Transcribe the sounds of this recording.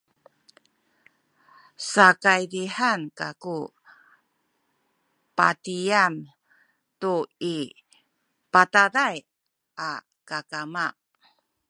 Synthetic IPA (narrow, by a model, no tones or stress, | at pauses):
sakajdiħankaku | pa̰tiam | tui | pataɾaj | ʔa | kakama